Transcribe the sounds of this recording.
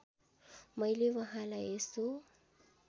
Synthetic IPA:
majlivaɦalaesu

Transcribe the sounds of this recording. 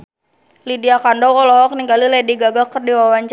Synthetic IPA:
lidiakandɔwɔlɔɦɔk̚niŋɡalilɛdiɡaɡakərdiwawaɲt͡ʃ

